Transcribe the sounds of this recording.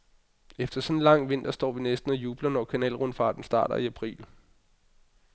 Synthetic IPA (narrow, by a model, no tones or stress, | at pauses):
efd̥ɐsɒ̽nnlɑ̈ŋ̰ʋe̝n̰d̥ɐsd̥ɒ̰ːʋinesd̥n̩ɒjuːb̥lɐnɒkʰænɛːlʁɔnfɑ̈ːd̥n̩sd̥ɑ̈ːɾ̥ɐ̰iæpʰʁḭːl